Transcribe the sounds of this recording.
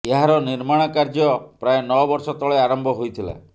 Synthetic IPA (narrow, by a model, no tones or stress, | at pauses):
eɦaɾɔniɾmaɽ̃ɔkaɾd͡ʒɔpɾaenɔbɔɾsɔt̪ɔɭeaɾɔmbʱɔɦojt̪ʰila̰